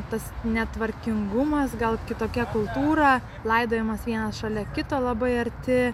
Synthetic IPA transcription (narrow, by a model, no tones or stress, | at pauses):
t̪ɐsnʲɛt̪ʋɐɾʲkʲɪŋɡʊmɐsɡɐlˠkʲɪt̪oːkʲɛkʊlˠt̪uːɾɑ | lˠɐɪd̪oːjɛmɐsʋʲiɛnɐsʃɐlʲɛkʲɪt̪oːlˠɐbɐɪɐɾʲt̪ʲɪ